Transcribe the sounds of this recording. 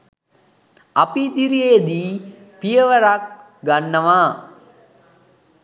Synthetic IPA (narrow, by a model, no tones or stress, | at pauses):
apid̪iɾijejd̪iː | pijəʋəɾak̚ | ɡanːəʋaː